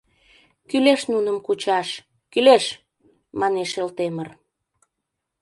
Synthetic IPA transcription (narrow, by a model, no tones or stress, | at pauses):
kyleʃnunəmkut͡ɕɑʃ | kyleʃ | mɑneʃelt̪emər